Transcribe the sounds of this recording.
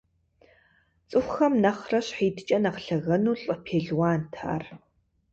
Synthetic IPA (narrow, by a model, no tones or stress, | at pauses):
t͡sʼɨxʷxɐmnɐχrɐɕħiːdt͡ʃʼɐnɐqɬɐɣɐnuːɬʼəpʰeːɮwaːntʰa̰ːr